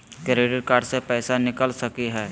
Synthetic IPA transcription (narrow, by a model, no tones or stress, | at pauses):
kɾeːɖəɾkaːɾɖsepɛːsanɪkəlsɐkiɦɛː